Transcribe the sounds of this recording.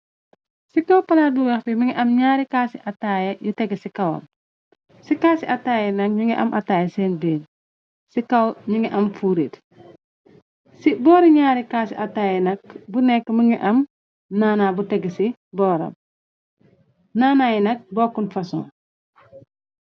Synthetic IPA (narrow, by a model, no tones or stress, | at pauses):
sikɐwpɐlaːduwɛxtiməŋiʔɐmɲaːɾikaːsiʔɐtajɐjutɛɡsikɐwɐ̰m | sikaːsiʔɐtaːjɐnɐk̚ɲuŋɡiʔɐ̰mʔataːjɐsɛːnbeːn | sikɐwɲuŋɡiʔɐmfuɾit | sibɔːɾiɲaːɾikaːsiʔɐtaːjɛnɐk̚bunɛkːməŋɡiʔɐm | naːnabutɛɡsi | bɔːɾɐ̰m | naːnajinɐk̚bɔːkunfɐsɔ̰̃